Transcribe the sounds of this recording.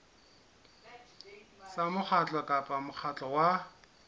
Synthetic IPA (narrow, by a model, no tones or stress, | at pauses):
samʊk͡xʰat͡ɬʼɔkʼapʼamʊk͡xʰat͡ɬʼɔwa